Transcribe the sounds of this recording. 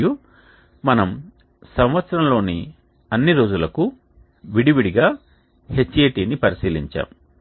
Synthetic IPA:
ju | mɐnɐm | sɐmʋɐt̪sɐɾɐmlo̞ːni | ɐnːiɾo̞ːd͡ʒulɐku | ʋiɽiʋiɽiɡaː | he̞t͡ʃːeːʈiːnipɐɾisiːliɲt͡ʃa̰ːm

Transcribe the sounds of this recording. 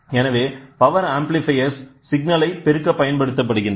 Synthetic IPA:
ɛnɐʋeːpɐʋɐɾaːmplɪfɐɪɐsː | ɪɡnɐlɐɪpɛɾɯkːɐpːɐjɐnpɐɽɯt̪ːɐp̬ːɐɽɯɣɪn

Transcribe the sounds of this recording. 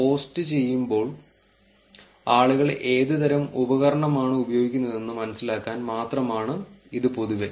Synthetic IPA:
po̞ːstɨt͡ɕe̞jːumbo̞ːɭ | aːɭuɣɐɭʔe̞ːðɨd̪ɐɾɐmubɐɣɐɾɐɳɐmaːɳɨubɐjo̞ːɡikʲːunːɐðe̞nːɨmɐnɐsːilaːkːaːnmaːt̪rɐmaːɳɨiðɨpoðuɣɐ

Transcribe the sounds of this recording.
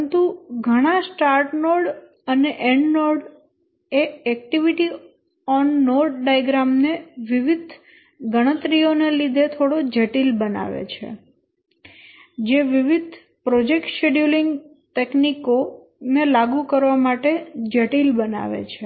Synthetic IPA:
ənt̪uɡʱəɽ̃asʈaɾʈnoɾɖ | əneʔɛɳɖnɔɾɖ | eɛk̚ʈiʋiʈi | ɔnːɔɾʈ̚ɖajɡɾamneʋiʋid̪ʱ | ɡəɽ̃ət̪ɾijonelid̪ʱet̪ʰoɽod͡ʒəʈilbəna̰ʋḛt͡ʃʰḛ | d͡ʒeʋiʋid̪ʱ | pɾɔd͡ʒek̚ʈʃeɖjuliŋɡ | t̪ekniko | nelaɡukəɾʋamaʈed͡ʒəʈilbəna̰ʋḛt͡ʃʰe

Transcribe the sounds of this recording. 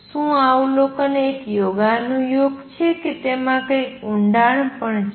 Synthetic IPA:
ʃũaũlokoneːkjoɡanũjoɡt͡ʃʰeket̪emãkəjũɳɖaɳpəɳt͡ʃʰ

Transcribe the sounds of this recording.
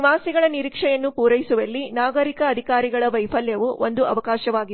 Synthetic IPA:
ʋaːsiɡɐɭɐniɾiːkʂɛjɐnːupuːɾɐjisuʋɐlːinaːɡɐɾikɐːd̪ʱikaːɾiɡɐɭɐʋɐjpʰɐljɐʋuʔond̪uɐʋɐkaːʃɐʋaːɡi

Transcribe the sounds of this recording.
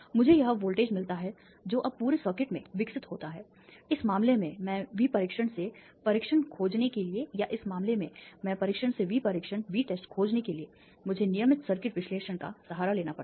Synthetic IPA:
mʊd͡ʒʱejɐɦʋoːlʈeːd͡ʒmɪlt̪aɦɛ | d͡ʒoːʔɐb̚pːuːɾesəɾkɪʈmẽʋɪksɪt̪ɦoːt̪aɦɛː | ɪsmaːmlemẽmɛ̃ːʋipɐɾɪkʃəɽ̃se | pɐɾɪkʃənkʰoːd͡ʒnekeliejaʔɪsmaːmlemẽmɛ̃ːpɐɾɪkʃəɽ̃seʋʱipɐɾɪkʃənʋiʈɛːsʈkʰoːd͡ʒnekelie | mʊd͡ʒʱenijəmɪt̪səɾkɪʈʋɪʃleːʃəñka̰sɐɦaːɾaleːnapɐɾ

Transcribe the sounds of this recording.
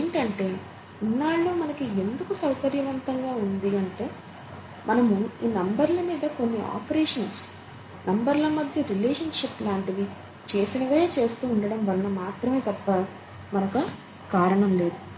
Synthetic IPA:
eɳʈɐɳʈe̞ː | inːaːɭːumɐnɐkie̞nd̪ukusɐwkɐɾjɐʋɐnt̪ɐŋɡaːund̪iɐɳʈe̞ː | mɐnɐmuiːnɐmbɐɾlɐmiːd̪ɐko̞nːiʔa̰ːpɐɾeːʂɐns | nɐmbɐɾlɐmɐd̪ʱjɐɾileːʂɐnʂiplaːɳʈid̪i | t͡ʃe̞ːsinɐʋɐeːt͡ʃe̞ːst̪uːɳɖɐɽɐmʋɐɾɐnɐmaːt̪ɾɐme̞ːt̪ɐpːɐ | mɐnɐku | kaːɾɐɳɐmle̞ːd̪u

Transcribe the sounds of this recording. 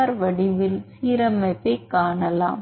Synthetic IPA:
ɾʋɐɽɪʋɪlsiːɾɐmɐt̪ːɐɪkːaːɳɐla̰ːm

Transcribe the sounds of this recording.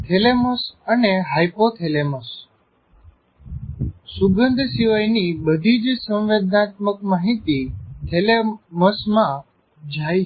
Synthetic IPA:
t̪ʰeleməsəneɦajpot̪ʰeleməs | suɡənd̪ʱsiʋajnibəd̪ʱid͡ʒsə̃ʋʋed̪nat̪̚məkmaɦit̪it̪ʰeleməsmã | d͡ʒʱaj

